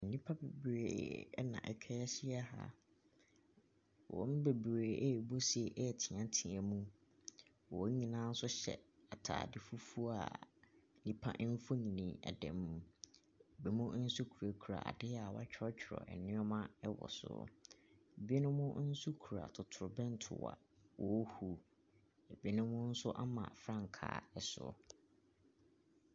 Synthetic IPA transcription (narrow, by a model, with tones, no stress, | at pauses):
n̩˨nĩ˦pʰa˦be˨bɾḛː˨˦nã̰˨ʔɛ˨kʰɛ˦ɕɪ˦ɛ˦ha̰˦ | wʔɔ̰̃˨m˦be˨bɾeː˨ʔɛ˦˨bo˦sɛ˨ʔɛ˦˨tʰĩ˨ã˨tʰĩ˨ɛ̃˨mũ˦ | wɔ˨˦ɲĩ˨nã˦n̩˦sʊ˦ɕɛ̰˨a˨tʰa̰ː˨dɪ˨fu˦fu˦o˦a̰˨n̩˨nĩ˦pʰa̰˦ʔn̩˦fo˦ɲĩ˨nĩ˨ɛ̰˨dɛ̰̃˨mːũ˨ | e˨bi˨mʊ̃˦n̩˦su˦kʰu˨ɾa˨kʰu˨ɾa̰˨a̰˨dɪ˦a˨wa˦t͡ɕᶣʰɾɔ˦t͡ɕʰᶣɪ˨ɾɔ̰˨ɛ̰˨nɪ̃˦ɔ˦mã˦ɛ˦wɔ̰˨sʊ̰˨ | e˨bi˦e˦nʊ̃˦mʊ̃˦n̩˦su˦kʰu˨ɾa̰˨tʰʊ˨tʰʊ˨ɾʊ˨bɛ̃˦n̩˦tʰʊ̰˨wa̰˨ | wʔɔ˨˦hu˨ | e˨bi˦e˦nʊ̃˦mʊ̃˦n̩˦sʊ˦ʔa˦mã̰˨fɾã˦ŋ˨kʰa̰ː˨ɛ˨sʊ̰˨